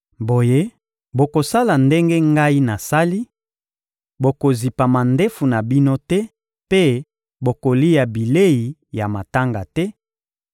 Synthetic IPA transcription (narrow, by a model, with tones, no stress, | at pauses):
bo˨je˦ | bo˨ko˨sa˦la˨nde˦ŋɡe˦ŋɡa˦i˦na˨sa˦li˦ | bo˨ko˨zi˨pa˨ma˨ndɛ˦fu˨na˨bi˦no˦tɛ˦ | pe˦ | bo˨ko˨li˦ja˨bi˨le˦i˨ja˨ma˨ta˦ŋɡa˨tɛ˦